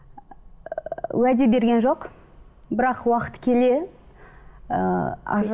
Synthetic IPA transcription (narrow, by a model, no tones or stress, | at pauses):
wæd̪e̞be̞ɾɡʲe̞nʒo̞q | bɪɾɑqwɑqət̪ə̥kʲʰe̞le̞